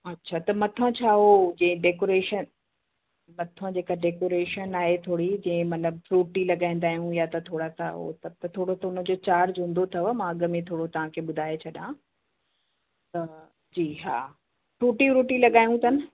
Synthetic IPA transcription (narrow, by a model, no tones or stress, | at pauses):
ɐtːɕʰat̪ɐmɐt̪ʰə̃t͡ɕʰaːɦod͡ʑẽɪ̃ɖeːkoːɾeːʃən | mɐt̪ʰə̃d͡ʑeːkaɖeːkoːɾeːʃənaːɦet̪ʰoːɽid͡ʑɐ̃ɦɪ̃mɐt̪ləbfɾuːʈilɐɠaːĩnd̪aːɦijũjat̪ɐt̪ʰoːɽat̪ʰa̰ɦo̰t̪ɐb̚t̪ɐt̪ʰoːɽot̪ʰɐʊnə̆d͡ʑoːt͡ɕaːɾd͡ʑũnd̪ot̪ʰɐʋmãɐɠəmẽt̪ʰoːɽot̪ɐʋ̤ãkʰeɓʊd̪ʱaːet͡ɕʰɐɗã | t̪ɐ | d͡ʑiːɦa̰ː | fɾuːʈiɾuːʈilɐɠaːijũt̪ɐnɪ̆